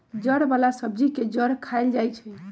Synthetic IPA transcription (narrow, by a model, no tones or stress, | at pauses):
d͡ʒəɾbalasəb̚d͡ʒiked͡ʒəɾkʰaeld͡ʒajt͡ʃʰɛ